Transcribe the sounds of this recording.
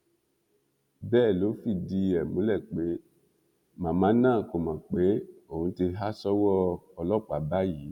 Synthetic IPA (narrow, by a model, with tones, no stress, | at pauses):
bɛː˦˨lo˨˦fi˦˨di˧ɛ˨mõ˨˦lɛ˦˨k͡pe˨˦ | mã˨mã˨˦nãː˦˨ko˨mã˨k͡pe˨˦o˦˨ũ˨˧˦ti˧ɦa˦sɔ˦wɔ˦ɔ˧lɔ˦˨k͡pa˨˦ba˦ji˨˦